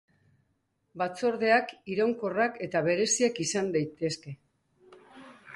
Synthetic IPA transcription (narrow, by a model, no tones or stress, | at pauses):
bat͡so̞ɾðe̞akiɾowŋko̞rake̞t̪aβe̞ɾe̞siakisand̪ajt̪e̞ske̞